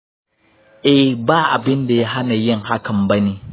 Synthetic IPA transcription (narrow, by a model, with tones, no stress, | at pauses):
ʔɛ˦hbaː˦˨ʔa˨bɪ˦nda˨ja˦ɦa˦na˨jɪ˦ŋha˦kɐ˨mbɐ˦neː˦